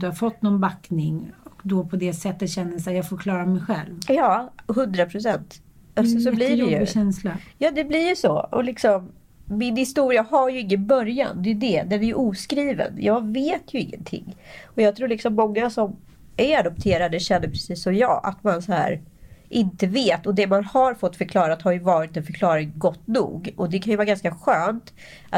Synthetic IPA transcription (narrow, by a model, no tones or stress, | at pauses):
d̪ɵhaɾfɔt̪ːnɔnbaknɪŋɔkd̪ɔpʰɔd̪ɛsɛt̪ːət̪ɕɛnːəsɛjɑːɡfoːɾkʰlɑːɾamɛjɧɛ̰lvjɑːɦɵnd̪ɾapʰɾʊs̬ɛnt̪ | asɔsɔblɪdɛjɵɕɛnslajɑːd̪ɛblɪɾjsɔɔ̰lɪksɔmː | ɪnhɪst̪uːɾɪaɦaɾjɵɪŋːənbœɾja̰nd̪ɛjɵd̪ɛd̪ɛæɾjɵʔuːskɾiːvə̰njɑːɡveːt̪ʰjɵɪŋːə̰nt̪ʰɪ̰ŋːɔjɑːɡ̚t̪ʰɾuːlɪksɔmːɔŋːasɔm | ʔæɾad̪ʊp̚t̪ʰeːɾad̪əɕɛnːəɾpʰɾɛsiːsːɔmjɑ̰ːʔa̰t̪mansɔhæ̰ːɾ | ʔɪnt̪əveːt̪ɔd̪ɛmanhaɾfɔt̪ːfœɾkʰlɑːɾat̪haɾjɵvɑːɾɪt̪ɛnfœɾkʰlɑːɾɪŋɡɔt̪ːnṵːɡɔd̪ɛkʰanjɵvɑːɾɡanskaɧøːnt̪ | a